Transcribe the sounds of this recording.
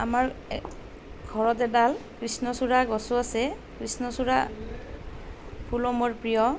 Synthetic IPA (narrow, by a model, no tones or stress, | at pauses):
a̰maɹ | ɡʱɔɹɔtɛdalkɹisnɔsuɹaɡɔsʊasɛ | kɹisnɔsuɹa | pʰulɔmɔɹpɹijɔ